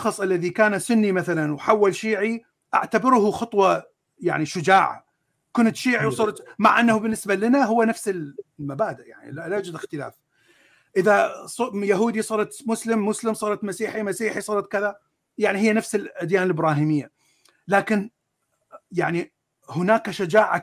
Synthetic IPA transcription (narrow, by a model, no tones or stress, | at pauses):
ɑxɑsˤʔalːaðikaːnasʊnːimaθalanwħawːalʃiːʕi | ʔa̰ʕt̪abɪɾʊhʊxɑt̪ˤwɑ | ja̰ʕniʃʊd͡ʒaːʕ | kʊnt̪ʃiːʕiwsˤuːɾˤt̪ma̰ʕʔanːahubɪnːɪsbalɪnaɦʊwːanafsɪlmabaːd̪ɪʔja̰ʕnḭlalad͡ʒɪlɪxt̪ɪla̰ːf | ʔɪðasˤjaɦuːd̪isˤɑɾˤɑt̪mʊslɪmːʊslɪmsˤɑːɾˤɑt̪masiːħimasiːħisˤɑːɾˤɑt̪̚kɪða | jaʕniɦɪjːanafsɪlʔad̪jaːnɪlɪbɾɑːɦiːmɪjːa | laːkɪn | jaʕni | hʊnaːkaʃad͡ʒaːʕa